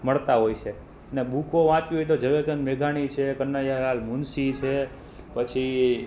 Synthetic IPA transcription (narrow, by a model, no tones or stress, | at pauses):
məɭt̪aɦojt͡ʃʰe | ənebukoʋãt͡ʃuɦojt̪̬od͡ʒəʋet͡ʃənmeɡʱaɽ̃it͡ʃʰekənːajalalmunsit͡ʃʰe | pət͡ʃʰi